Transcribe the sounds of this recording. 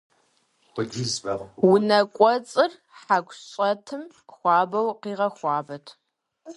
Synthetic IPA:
ɔd͡ʒizbɐʁwʊnɐkʷʼɔt͡sʼɨr | ħakʷɕʼɐtʰɨm | xʷɑːbɐwqiːʁɐxʷɑːbɐtʰ

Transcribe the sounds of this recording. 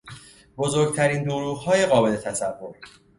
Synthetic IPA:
bo̞zoɾɡ̚t̪ʰæɾiːnd̪oɾuːɣhɒːje̞ɣɒːbe̞le̞t̪ʰæsævːo̞ɾ

